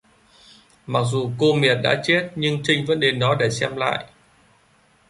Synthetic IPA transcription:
ma˨˩k̚zu˨˩ko˧mi˨˩ət̚ɗa̰ː˧˥t͡ɕe˦˥t̚ɲɨ˧ŋt͡ɕï˧ŋ̟və̰˧˥nɗe˨˦nɗɔ˨˦ɗe˧˩sɛ˧mla̰ː˧˨jʔ

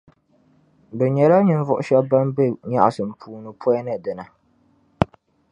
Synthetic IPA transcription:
bɛ˨ɲɛ˨la˦ɲɨ˨n˦vʊ˦ʔʊ˦ʃɛ˦ba˦nbɛ˦ɲa̰˦ʔsɨ˨m˨pʰuː˨nɨ˨pʰɔ˦nɨ˦˨dɨ˨na˨

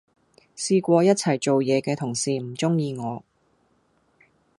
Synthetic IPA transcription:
siː˧kʷɔː˧jɐ˥t̚t͡sʰɐ˨˩jt͡so˨wjɛː˨˧kɛː˧t̪ʰʊ˨˩ŋsiː˨m̩˨˩t͡sʊ˥ŋjiː˧ŋɔː˨˧

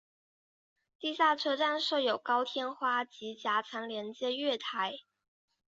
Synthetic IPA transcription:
t̪i˥˧ɕja˥˩ʈ͡ʂʰɤ˥ʈ͡ʂa˥˧nʂɤ˥˩jo˨˩ʊkɑ˥ʊt̪ʰjɛ˥nxwa˥t͡ɕi˧˥t͡ɕja˧˥t͡sʰa˧˥ŋljɛ˧˥nt͡ɕjɛ˥ɥɛ˥˩t̪ʰa˧˥ɪ

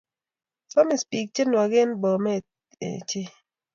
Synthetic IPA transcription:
sɔ˦mi˨spi˨k̚t͡ʃe˦nwa˨ɡɪ˦nbɔ˨mɛ˦˨ | ḛ˨t͡ʃɪ˦

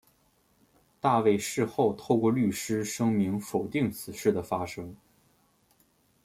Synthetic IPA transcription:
t̪a˥˧we˥˧ɪʂɻ̩˥˧xo˥˧ʊt̪ʰo˥˧ʊkwɔ˥˧ly˥˩ʂɻ̩˥ʂɤ˥ŋmi˧˥ŋfo˨˩ʊt̪i˥˩ŋt͡sʰɹ̩˨˩ʂɻ̩˥˩d̪ə˩fa˥ʂɤ˥ŋ

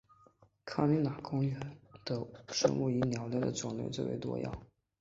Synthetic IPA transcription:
kʰa˥li˧˥na˨˩kʊ˥ŋɥɛ˧˥nd̪̥ə˧ʂə̰˥ŋu˥˩i˧˥njɑ˧˥ʊljɛ˥˩d̪ə̰˨t͡sʊ˨˩ŋlḛ˥ɪt͡swe˥˩wḛ˧˥t̪wɔ̰˥jɑ̰˥˩ʊ

